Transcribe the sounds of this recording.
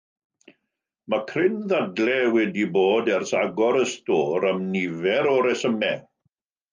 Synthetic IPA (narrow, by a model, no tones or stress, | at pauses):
makʰrɪnðadlɛwɛdiboːdɛrsaɡɔɾəstoːɾəmnɪvɛɾɔɾɛsəmɛ